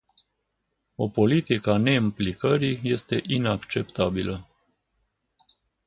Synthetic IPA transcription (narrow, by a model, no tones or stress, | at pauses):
o̞po̞lit̪ikane̞implikəɾije̞st̪e̞ʔinakt͡ʃe̞pt̪abilə